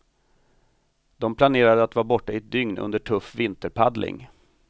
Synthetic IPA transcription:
d̪ɔmpʰlaneːɾad̪əat̪vɑːbɔʈːaɪt̪̚d̪ʏŋnɵ̰nd̪əʈʰɵfːvɪnt̪əɾpʰad̪lɪ̰ŋ

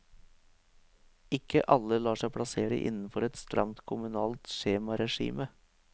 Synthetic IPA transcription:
ɪkəʔɑləlɑːʂæɪpʰɽɑseːɭə̰ʔɪ̰nn̩fɔɾɛt̪st̪ɾɑ̰mt̪kʰʊmʉnɑːlt̪ʃeːmɑɾɛʂḭːmə

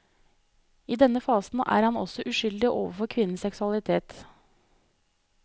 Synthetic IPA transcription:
iːd̪ɛnəfɑːsn̩æ̰ːɾhɑnɔ̰sɔʔʉʃʏld̪ɪʔoːʋəfɔɾkʰʋɪnən̩sɛksʉɑlɪt̪ʰeːt̪

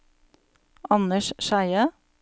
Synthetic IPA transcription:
ɑnəʃʃæɪə

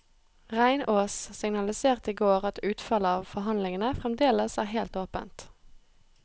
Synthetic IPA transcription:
ʁæɪnʔoːssɪŋnɑlɪseːʁt̪iːɡoːʁɑt̪ʉːt̪fɑləɑːʋfɔɦɑnlɪŋənəfʁɛmd̪eːləsæːʁɦeːlt̪oːpə̰nt̪

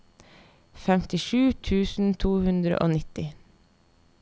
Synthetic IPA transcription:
fɛmt̪ɪʃʉːt̪ʰʉːsn̩t̪ʰuːhʉnd̪ɾə̰ʔo̰ːnɪt̪ɪ

